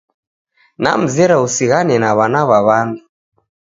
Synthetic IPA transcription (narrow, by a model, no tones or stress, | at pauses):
na̰m̩zɛɾausiɣanɛnaβanaβaβandu